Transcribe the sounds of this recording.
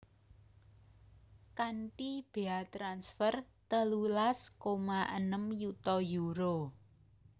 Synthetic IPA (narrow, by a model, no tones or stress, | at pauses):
kaɳʈib̥eat̪ɾansfərt̪əlulaskomaʔənəmjut̪ɔjuɾo